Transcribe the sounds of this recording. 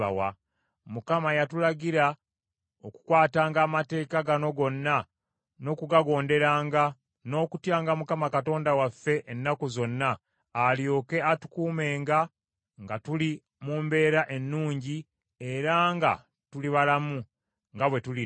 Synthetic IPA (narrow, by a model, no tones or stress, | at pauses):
a̰wa̰ | mukamajatulaɟiɾa | o̞ku̥kwaːtaːŋɡaːmate̞ːkaɡano̞ɡo̞nːa | no̞ːkuɡaɡo̞ːnde̞ɾaːŋɡa | no̞ːkutjaːŋɡamukamakato̞ːndawafːe̞ʔenːakuzo̞nːaː | ljo̞ːke̞atu̥kuːme̞ːŋɡa | ŋɡatuli | muːmbe̞ːɾaʔe̞nːuːɲɟi | e̞ɾaŋɡa̰ | tuliβalamu | ŋɡaβwe̞tuli